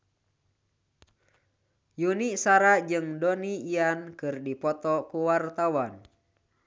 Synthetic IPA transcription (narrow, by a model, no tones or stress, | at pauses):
juniʔsaɾad͡ʒɨŋdɔniiankɨrdipɔt̪ɔkuwart̪awan